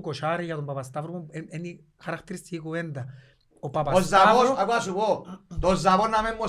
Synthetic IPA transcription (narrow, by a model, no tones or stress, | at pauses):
koʃaɾejat̪ombapast̪afɾoeeni | kʰaɾakt̪eɾist̪ikoβend̪a | opapaosaaosoakwasuβod̪ozaβonamemːo